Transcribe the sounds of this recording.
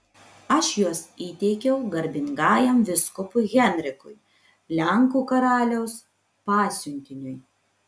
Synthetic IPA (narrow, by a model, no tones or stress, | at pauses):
ɐʃjuɔsiːt̪ʲɛɪkʲɛʊɡɐɾʲbʲɪŋɡɑːjɛmʋʲɪskʊpʊɣʲɛnʲɾʲɪkʊj | lʲɛŋkuːkɐɾɑːlʲɛʊs | pɑːsʲʊnʲkʲɪnʲʊj